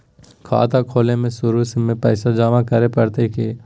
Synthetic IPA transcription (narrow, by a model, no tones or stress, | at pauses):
kʰa̰ːt̪akʰoːlemẽsʊɾusemẽpɛːsad͡ʒaːmakɐɾepɐɽt̪ekeː